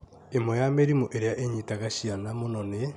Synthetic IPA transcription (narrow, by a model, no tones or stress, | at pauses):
emwɔjameɾimoʔeɾeaʔeɲitaɣaɕianamonɔne